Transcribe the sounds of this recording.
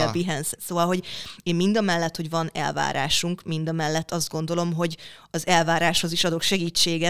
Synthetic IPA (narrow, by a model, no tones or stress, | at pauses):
biɦɛnssoːvɒlɦo̞ɟeːmmind̪ɒmɛlːɛt̪ho̞ɟvɒnɛ̰lva̰ːɾa̰ːʃuŋkmind̪ɒmɛlːɛt̪ːɒzd̪̚ɡo̞nd̪o̞lo̞mɦo̞ɟ | ɒzɛlvaːɾaːʃho̞ziʃɒd̪o̞kʃɛɡiːt͡ʃːeːɡɛ